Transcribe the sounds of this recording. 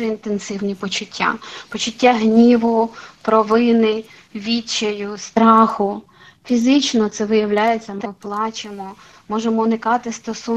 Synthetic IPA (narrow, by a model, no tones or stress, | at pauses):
ɛint̪ensɪwnʲipɔt͡ʃʊtʲːa̰pɔt͡ʃʊtʲːaɦnʲiʋʊpɾɔʋɪnɪ | ʋʲit͡ʃːɐjʊst̪ɾɑxʊ | fʲizɪt͡ʃnɔt̪sɛʋɪjɐwlʲajet͡sʲːɐmɪplˠɑt͡ʃemɔ | mɔʒemɔnɪkɑt̪ɪst̪ɔsu